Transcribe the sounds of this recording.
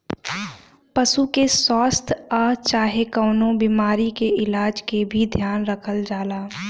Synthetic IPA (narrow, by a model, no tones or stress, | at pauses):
pəsukesɔːst̪ʰat͡ʃaːɦekəːnõbiːmaːɾikeɪlaːd͡ʒkebʱid̪ʱjaːnɾəkʰəld͡ʒaːlaː